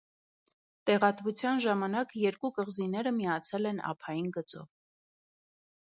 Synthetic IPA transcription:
t̪ɛʁɑt̪vut͡sʰjɑnʒɑmɑnɑkjɛɾkukəʁzinɛɾəmiɑt͡sʰɛlɛnɑ̰pʰɑjinɡət͡sɔ̰v

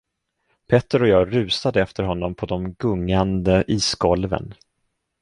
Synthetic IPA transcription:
pʰɛt̪ːəɾɔjɑːɡɾʉ̟ːsad̪əɛft̪ʰəɾɦɔnːɔmpʰɔd̪ɔmɡɵŋːand̪əʔiːsɡ̥ɔlvə̰n

